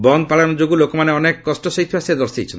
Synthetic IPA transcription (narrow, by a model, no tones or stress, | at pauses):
bɔnd̪̚paɭanɔd͡ʒoɡulokɔmaneɔnekːɔsʈɔsɔɦit̪ʰːbased̪ɔɾsḛjt͡ʃʰen